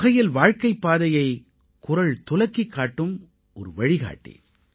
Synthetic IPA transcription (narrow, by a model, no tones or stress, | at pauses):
ɣɐjɪlʋaːɻkɐɪpːaːðɐjɐɪ | kʊɾɐɭt̪ʊlɐkːikːaːʈːɯm | ʔɔɾɯʋɐɻɪɣa̰ːʈːḭ